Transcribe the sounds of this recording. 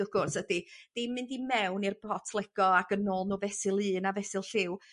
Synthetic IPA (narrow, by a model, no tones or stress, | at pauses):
əɡ̥ʊrsəd̥id̥ɪmɨndimɛwnirbɔtʰlˠɛɡ̥ɔaɡ̥ənɔlˠnuːvɛsɨlˠɨːnavɛsɨlˠɬɪw